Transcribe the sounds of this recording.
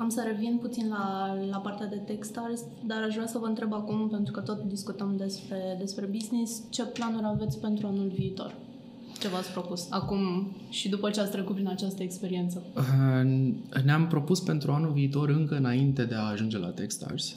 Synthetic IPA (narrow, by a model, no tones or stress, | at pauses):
amsəɾe̞vinput̪sinlalapart̪ead̪e̞t̪e̞kst̪arzʲ | d̪aɾaʃvɾasəvəɨnt̪ɾe̞bakumpe̞nt̪ɾukət̪o̞t̪d̪iskut̪əmd̪e̞spɾe̞d̪e̞spɾe̞biznist͡ʃe̞planuɾʲave̞t̪sʲpe̞nt̪ɾuanulviːt̪o̞̰r | t͡ʃe̞vat̪sʲpɾo̞pusakum | ʃid̪upət͡ʃeat̪sʲt̪ɾe̞kut̪pɾinat͡ʃast̪əekspe̞ɾie̞nt̪sə | neampɾo̞puspe̞nt̪ɾuanulviːt̪o̞ɾɨŋkəɨnaint̪e̞d̪e̞aːʒund͡ʒe̞la̰t̪ekst̪a̰rz̥ʲ